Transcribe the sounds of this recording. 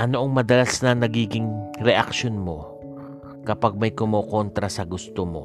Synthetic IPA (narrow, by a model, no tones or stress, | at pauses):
ʔɐnoʔɐŋmɐd̪ɐlasnɐnɐɡiːɡɪŋɾɛʔɐkʃonmo̞ | kɐpaɡ̚mɐjkʊmoːkont̪ɾɐsɐɡʊst̪omo̞̰